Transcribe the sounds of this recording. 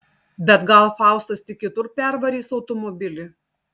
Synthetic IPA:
bʲɛt̪ɡɐlˠfɑˑʊst̪ɐst̪ʲɪk̚ʲɪt̪ʊɾpʲɛɾʋɐɾʲiːsɒʊt̪ɔmɔbʲɪlʲɪ

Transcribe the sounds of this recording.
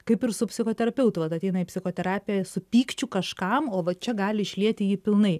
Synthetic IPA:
kɐɪpɪɾsʊpʲsʲɪxoːt̪ʲɛɾɐpʲɛʊt̪ʊʋɐt̪ɐt̪ʲɛɪnɐɪpʲsʲɪxoːt̪ʲɛɾɑːpʲɪjɛsʊpʲiːkt͡ʃʲukɐʃkɐmoːʋɐt͡ʃʲɛɡɑːlʲɪɪʃʲlʲiɛt̪ʲɪjiːpʲɪlˠnɐɪ

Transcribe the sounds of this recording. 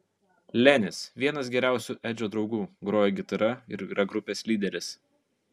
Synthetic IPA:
lʲɛnʲɪsʋʲiɛnɐs̬ɡʲɛɾʲæˑʊsʲuːˑʔɛd͡ʒʲoːd̪ɾɒʊɡuːɡɾoːjɛɡʲɪt̪ɐɾɐɪɾiɾɐɡɾʊpʲeːslʲiːd̪ʲɛɾʲɪs

